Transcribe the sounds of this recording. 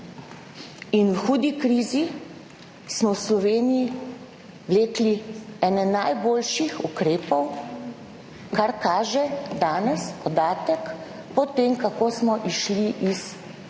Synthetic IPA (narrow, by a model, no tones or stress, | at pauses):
inwxuːd̪ikɾiːzi | smɔwslɔʋeːnii | ʋleːkliɛːnɛnajboːlʃixukɾeːpɔw | kaɾkaːʒɛd̪aːnɛsɔd̪aːt̪ɛk | pɔt̪emkakoːsmɔʔiʃliʔis